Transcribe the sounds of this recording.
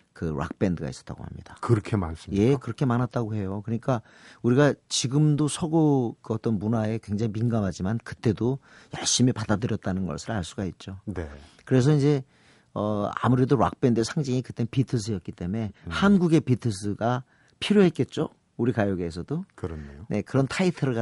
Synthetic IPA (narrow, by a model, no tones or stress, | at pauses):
kɯɾa̰k̚p͈e̞ndɯɡa̰is͈ʌt͈a̰ɡo̰ha̰mɲid̥akɯɾʌkʰemansje̞kɯɾʌkʰe̞manɦat̚t͈aɡohe̞jokɯɲik͈a | uɾiɡat͡ɕiɡɯmdosʰʌɡokɯʌt͈ʌnmunae̞kwe̞ŋd͡ʑaŋiminɡamɦad͡ʑimankɯt͈e̞do | jʌɭɕ͈imipadadɯɾjʌt̚t͈anɯnɡʌ̰ɭs͈ʰɯɾaɭs͈uɡait̚t͡ɕ͈onekɯɾe̞s̬ʰʌind͡ʑe̞ | ʌa̰muɾe̞doɾwa̰k̚p͈e̞ndesʰaŋd͡ʑiŋikɯt͈e̞npitʰɯs̬ʰɯjʌt̚k͈it͈e̞me̞hanɡuɡe̞pitʰɯs̬ʰɯɡa | pʰiɾjoɦe̞t̚k͈e̞t̚t͡ɕ͈o | uɾikajoɡe̞ːs̬ʰʌdokɾʌɲne̞kɯɾʌntʰaitʰɯɾɡa